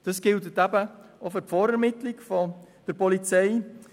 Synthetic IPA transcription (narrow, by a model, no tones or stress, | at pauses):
d̥ɑsɡ̥ɪltətæbəɔfəpfɔːɾɛɾmɪtlɪkfɔd̪̥əɾpɔlit͡sɛɪ